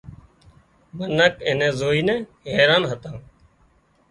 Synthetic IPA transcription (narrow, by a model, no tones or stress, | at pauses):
mənəkẽnẽːzoːiːnɛ̃ː | ɦeːɾaːnɦət̪ãː